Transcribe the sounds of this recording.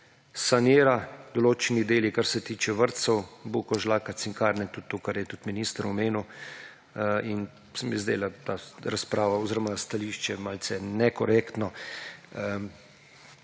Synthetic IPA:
sanjeːɾad̪ɔloːt͡ʃɛnid̪eːlikaɾsɛt̪iːt͡ʃɛʋəɾt̪sɔwbukɔʒlaːkat̪siŋkaːɾnɛt̪ut̪ːoːkaɾjɛt̪ut̪miniːst̪əɾɔmeːnu | in | sɛmjɛzd̪ḛːlat̪aɾaspɾaːʋaɔziːɾɔmast̪aliːʃt͡ʃɛmalt̪sɛnɛkɔɾeːkt̪nɔ

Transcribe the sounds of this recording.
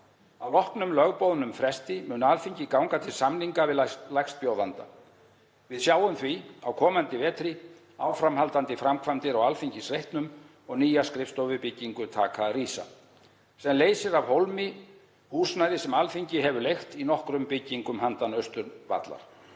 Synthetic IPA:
awlɔhknʏmlœɣpowðnʏmfɾɛst̪ɪmʏːnalfiɲcɪkawŋkat̪ʰɪlsamniŋkavɪðlajxst̪̚pjoːwðant̪a̰ | vɪðsjaːwʏmθviawkʰɔːmant̪ɪvɛːt̪ɾɪ | aːwfɾamhalt̪ant̪ɪfɾamkʰvamt̪ɪɾawalfiɲcɪsrejht̪nʏm | ɔɣniːjaskɾɪft̪owvʏɾpɪcːiŋkʏt̪ʰa̰ːkariːsa̰ | sɛmleːjsɪɾavhowlmɪ | huːsnajðɪsɛmalfiɲcɪɦɛvʏɾlejxt̪inɔhkɾʏmpɪcːiŋkʏmhant̪anœɥst̪ʏɾva̰t̪la̰ɾ̥

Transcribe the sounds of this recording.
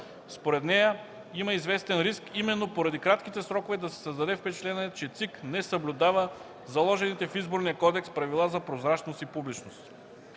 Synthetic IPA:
spoɾɛt̪nɛjə | imɐizvɛst̪ɛnɾiskimɛnːopoɾɐd̪ikɾat̪k̟it̪ɛsɾɔkovɛd̪ɐsɛ̥sɐzd̪ɐd̪ɛfpɛt͡ʃt̪ɛnɛɛt͡ʃɛt̪siknɛsəblʲʊd̪avə | zɐlˠɔʒɛnit̪ɛfizboɾnijəkɔd̪ɛkspɾɐvilˠazɐpɾozɾat͡ʃnost̪ipublit͡ʃnost̪

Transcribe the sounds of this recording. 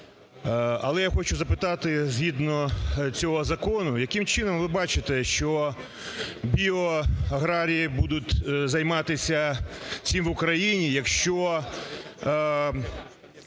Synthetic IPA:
ɐ̰lˠɛjaxɔt͡ʃʊzɐpɪt̪ɑt̪ɪzʲɦʲid̪nɔt͡sʲɔɦɔzɐkɔnʊjɐkɪmt͡ʃɪnɔmʋɪbɑt͡ʃɪt̪ɛʃt͡ʃɔ | bʲiɔɐɦɾɑɾʲijibud̪ʊt̪ʲzɐjmɑt̪ɪsʲɐt͡sʲimʋʊkɾɐjinʲijɐkʃt͡ʃɔ

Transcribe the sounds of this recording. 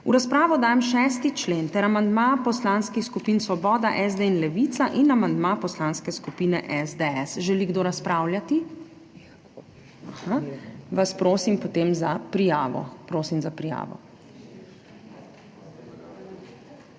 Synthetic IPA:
ṵɾaspɾaːʋɔd̪aːjɛmʃɛst̪it͡ʃleːnt̪ɛɾamand̪maːpɔslaːnskixskupiːnsʋɔbɔːd̪aʔɛzd̪einlɛʋit̪saʔinamand̪mapɔslaːnskɛskupiːnɛʔɛzd̪ɛɛsʒɛliɡd̪oɾaspɾaːwljat̪i | ahaʋaspɾoːsimpɔt̪eːmzapɾijaːʋɔ̰pɾoːsimzapɾija̰ːʋɔ̰

